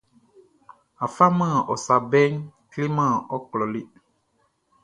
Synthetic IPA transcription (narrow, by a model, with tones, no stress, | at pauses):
a˨fa˦mã˦˨ɔ˨sa˨bɛ˦ŋkli˦mã˦˨ɔ˦klɔ˨li˦